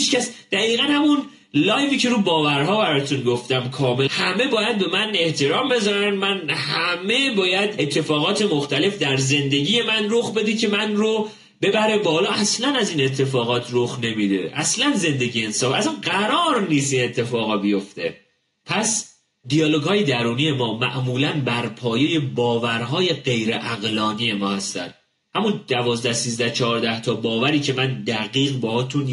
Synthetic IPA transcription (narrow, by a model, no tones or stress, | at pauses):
hit͡ʃcæsd̪̥æɣiːɣænhæmun | lɒːjviːcʰe̞ɾuːbɒːvæɾɦɒːbæɾɒːjt̪ʰunɡo̞ft̪æmkʰɒːme̞lhæme̞bɒːjæd̪̚be̞mæne̞ht̪ʰe̞ɾɒːmbe̞zɒːɾænd̪mænhæme̞bɒːjæd̪e̞t̪ʰːe̞fɒːɣɒːt̪ʰe̞moxt̪æle̞fd̪æɾze̞nd̪eɟiːje̞mænroxbe̞d̪icʰe̞mænɾo | be̞bæɾe̞væhɒːlɒːʔæslænæziːne̞t̪ʰːe̞fɒːɣɒːt̪ʰɾoxne̞mid̪e̞̰ʔæ̰slænze̞nd̪e̞ɟijeensɒːfæsænɢæɾɒːɾniːst̪iːnet̪ʰːe̞fɒːɣɒbijo̞ft̪e̞̰ | pʰæs | d̪ijɒːlo̞ɡhɒːje̞d̪æɾuːnije̞mɒːmæ̰ʔmuːlænbæɾpʰɒːje̞je̞bɒːvæɾɦɒːje̞ɢe̞jɾeʔæɣlɒːnije̞mɒːhæst̪æ̰n | hæmund̪̥ævɒːzd̪æhsiːzd̪æht͡ʃʰɒːɾd̪æht̪ʰɒːbɒːvæɾiːcʰe̞mænd̪æɣiːɣbɒːhɒːt̪ʰun